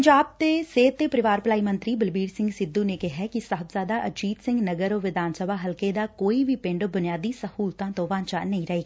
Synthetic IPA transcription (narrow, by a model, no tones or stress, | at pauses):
ɲd͡ʒaːb̚t̪eːseːt̪ːeːpəɾɪʋaːɾplaːiːmə̃nt̪ɾiːbəlbiːɾsɪ̃ŋɡsɪd̪ːuːneːkɪɦɛkɪsat̪zjaːd̪aːʔət͡ʃiːt̪sɪ̃ŋɡnəɡəɾoːʋɪd̪ʱaːnsəbaːɦəlkeːd̪aːkoːiʋiːpɪ̃ɳɖbʊnɪjaːd̪iːsəhuːlt̪ãːt̪õːʋãːɲt͡ʃaːnəĩɾəɦeːɡaː